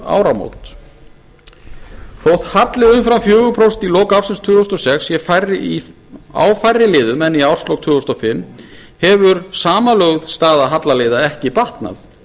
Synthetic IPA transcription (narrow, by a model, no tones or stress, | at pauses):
a̰ːwɾamo̰wt̪ | θowht̪hat̪lɪɣʏmfɾamfjœːɣʏpʰɾowst̪ilɔːkaawrsɪnst̪ʰʏːɔst̪ɔsɛksjɛfajrɪi | a̰wfajrːɪlɪːðʏmɛnːiaw̥slɔwkt̪ʰʏːɔst̪ɔfɪmː | hɛvʏɾsaːmalœɣðst̪aːðaɦat̪laleːjðaɛhcɪpaht̪na̰θ